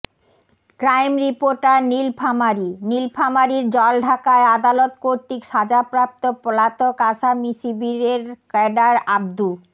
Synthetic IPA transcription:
kɾajmɾipoɾʈaɾnilpʰamaɾinilpʰamaɾiɾd͡ʑɔlɖʱakaead̪alot̪koɾt̪ikʃad͡ʑapɾap̚t̪opɔlat̪okaʃamisibiɾeɾkɛɖaɾab̚d̪u

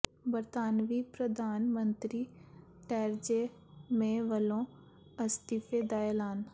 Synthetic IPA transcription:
bəɾt̪aːnʋiːpɾəd̪ʱaːnmə̃nt̪ɾiː | ʈɛːɾd͡ʒe | mẽʋəlõ | əst̪ifed̪aːjelaːn

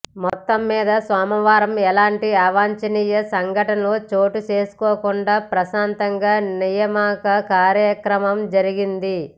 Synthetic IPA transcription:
mɔt̪ːɐmːiːd̪ɐsʋaːmɐʋaːɾɐmɛlaːɳʈiaʋaːɲt͡ʃɐniːjɐsɐŋɡʱɐʈɐnɐloːt͡ʃo̞ːʈut͡ʃe̞ːsu̥koːkuɳɖaːpɾɐʃaːnt̪ɐŋɡaːnijɐmaːkɐkaːɾjɐkɾɐmɐmd͡ʒɐɾiɡind̪i

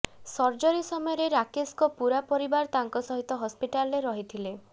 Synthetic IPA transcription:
sɔɾd͡ʒɔɾisɔmɔjɔɾeɾakeskɔpuɾapɔɾibaɾt̪aŋkɔsɔɦit̪ɔɦɔspiʈalɾeɾɔɦit̪ʰile

